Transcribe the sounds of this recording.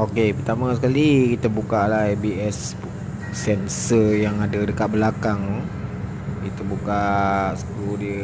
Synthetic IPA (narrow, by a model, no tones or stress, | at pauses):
okepərt̪amasəkalikit̪əbukalahbiɛs | sɛnsəjaŋadədəkat̪̚bəlakaŋ | kit̪əbukasə̥kɾudiə